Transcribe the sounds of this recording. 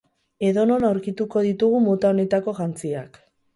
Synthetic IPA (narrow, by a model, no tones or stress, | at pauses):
e̞ðo̞no̞nawɾkit̪uko̞ð̞it̪uɣumot̪ao̞ne̞t̪ako̞ʝant͡siak